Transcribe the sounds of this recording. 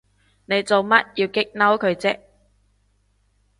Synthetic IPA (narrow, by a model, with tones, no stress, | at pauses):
ne˨˧jt͡so˨wmɐ˦˥t̚jiː˧wkɪ˥k̚nɐ˥wkʰɵ˨˧ɥt͡sɛ˥k̚